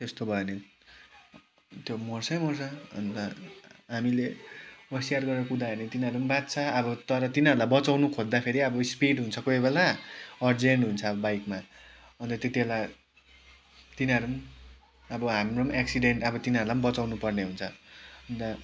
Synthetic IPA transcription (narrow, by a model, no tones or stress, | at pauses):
t̪est̪obʱʌene | t̪jomʌrsʌjmʌrsʌʌ̰nt̪ʌɦamileʌsijarɡʌɾʌkud̪aʌnet̪inaɾumbat̪̚t͡sʰʌʌbʌt̪ʌɾʌt̪inaɾulabʌt͡sawnukʰod̪d̪apʰeɾiʌbʌspiɖɦunt͡sʰʌkojbelaʌrd͡zeɳʈɦunt͡sʰʌʌbʌbajkma | ʌnt̪ʌt̪et̪iela | t̪inʌɾum | ʌbʌɦamromeksiɖeɳʈʌbʌt̪inaɾulambʌt͡sawnupʌrneɦunt͡sʰʌʌnt̪ʌ